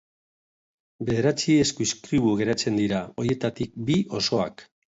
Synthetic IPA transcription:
be̞ðe̞ɾat͡sieskuiskɾiβuɣe̞ɾat͡se̞nd̪iɾao̞ɾje̞t̪at̪ik̚bio̞so̞ak

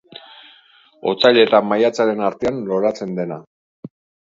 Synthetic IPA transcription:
o̞̰t͡saʎe̞t̪amajat͡saɾe̞naɾt̪e̞anlo̞ɾat͡se̞nd̪e̞na

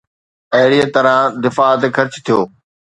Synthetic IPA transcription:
ɐɦɪɽiet̪ɐɾãd̪ɪfaːət̪kʰɐɾt͡ɕt̪ʰijoː

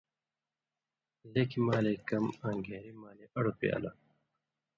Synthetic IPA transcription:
leːkimaːleːkɐmãːŋɡeːɾimaːleːʔɐɽopḛːɐ̰la̰

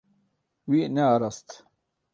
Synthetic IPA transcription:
wineɐɾɐst̪

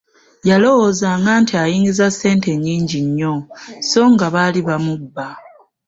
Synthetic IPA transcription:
jalo̞wo̞zaːŋɡaːntiajiːŋɡizase̞ːnte̞ɲːiːɲɟiɲːo̞so̞ːŋɡaβaliβamubːa

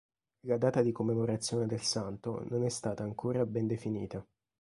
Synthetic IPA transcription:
lad̪aːt̪ad̪ikomːemoɾat̪sːjoːned̪elsant̪o̰nonɛst̪aːt̪aːŋkʰoːɾabɛnd̪efinḭːt̪a

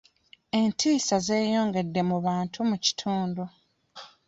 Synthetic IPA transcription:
e̞ntʰiːsaze̞ːjo̞ːŋɡe̞dːe̞muβaːntʰumuci̥tʰuːndu

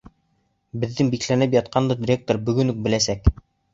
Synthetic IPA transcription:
bɘ̆ðːɘŋbiklænɘp̬jɑt̪̚qɑnd̪ɤdʲɪɾʲek̚t̪oɾbɵ̆ɡɵ̆nɵk̚bɘ̆læsæk

